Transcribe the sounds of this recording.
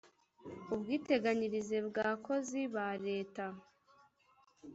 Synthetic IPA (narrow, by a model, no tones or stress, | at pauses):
ubɡiːte̞ɡaɲiɾize̞bɡaːkʰo̞ziβaɾe̞ːta